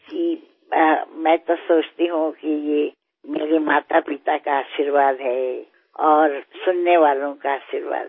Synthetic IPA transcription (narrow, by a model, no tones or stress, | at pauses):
ki | mɛ̃ːt̪osoːt͡ʃt̪iɦũkije | meːɾemaːt̪apit̪akaaːʃiɾʋaːd̪ɦɛ | ɔːɾsʊnːeʋaːlõkaaːʃiɾʋa̰ːd̪